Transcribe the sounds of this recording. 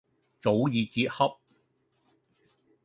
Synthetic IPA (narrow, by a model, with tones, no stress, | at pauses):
t͡so˨˥wjiː˨kiː˧t̚hɐ˥p̚